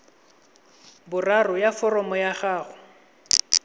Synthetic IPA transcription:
bʊrarɔjafɔrɔmɔjaχaːɣʊ

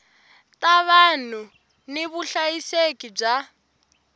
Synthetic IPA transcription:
tʼaβan̤u | niβuɬajisekʼib͡ʐa

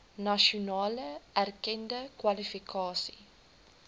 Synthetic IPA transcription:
nɐʃonɑːləærkɛndəkwalifikʰɑːsḭ

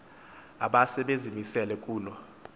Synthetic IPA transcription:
aɓasɛɓezimisɛlɛkʼuːlɔ

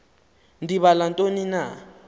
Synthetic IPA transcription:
ndiβalantʼonina

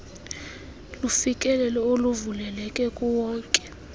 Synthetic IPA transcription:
lufikʼɛlɛlɛoluvulɛlɛkʼɛkʼuwɔːŋkʼɛ̥

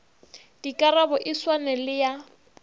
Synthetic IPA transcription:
d̥ikʼaɾabɔʔɪswanɛlɪja

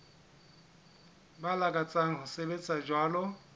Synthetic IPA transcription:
balakʼat͡sʼaŋ̩ɦʊsebet͡sʼad͡ʒwaːlɔ

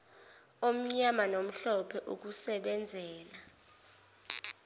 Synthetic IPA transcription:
om̩ɲamanom̩ɬɔpʰɛʔuk̬usɛɓɛnd͡zʱɛːla

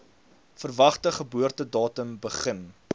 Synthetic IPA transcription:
fərvɐχtəχəbuərtədɑːtəmbəχən

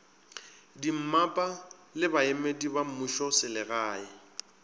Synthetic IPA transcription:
dim̩mapʼa | lɪbaemedibamuʃɔsɪlɪɣaːɪ

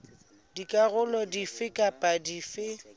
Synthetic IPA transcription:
dikʼaɣʊlɔdifɪkʼapʼadifɪ

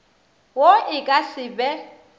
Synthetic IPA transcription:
woɪkʼasɪbɛ

